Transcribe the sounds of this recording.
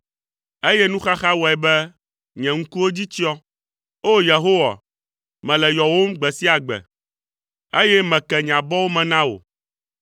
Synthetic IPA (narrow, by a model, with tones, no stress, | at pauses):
e˦jɛ˦nũ˦xa˦xa˦wɔ˨ɛ˨bɛ˦ | ɲɛ̃˨ŋ̩˦ku˦wo˦d͡ʑi˦t͡ɕi˦ɔ˦ | o˦je˨ɦo˦wa̰˨ | mɛ̃˨lɛ˨jɔ˨wo˦mɡ͡bɛ˨si˦a˨ɡ͡bɛ̰˨ | e˦jɛ˦mɛ̃˨kɛ˨ɲ˨ã˨bɔ˦wo˦mɛ̃˨nã˦wo̰˨